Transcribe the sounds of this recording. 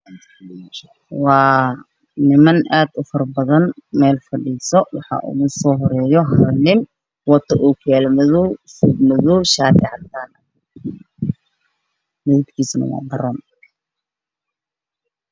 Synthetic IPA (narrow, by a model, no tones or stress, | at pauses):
wɑː | nɪmɐnʔaːd̪ʊfɐrbɐðɐnmɛːlfɐɖiːsɔwɑħɑ̰ːʔʊ̰ɣʊsɔːɦɔɾɛːjɔɦɐɾnɪn | wɐt̪ʰɐʔuːkʰɛlmɐðuːsʊmʊðuːʃaːt̪ɪʕɑt̪aːnɐ | mʊðubkʰiːsnɐ̰wɑ̰ːdɐɾɔːn